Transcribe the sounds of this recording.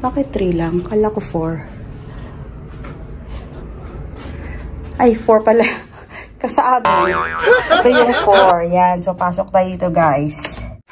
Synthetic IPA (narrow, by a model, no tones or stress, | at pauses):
baːkɛt̪ːɾiːlaŋkɐlakofoɹ | ʔajfoɹpɐla | kɐsɐʔaːbɪŋ | t̪ojʊŋfoɹjansopaːsok̚t̪ajit̪oɡajs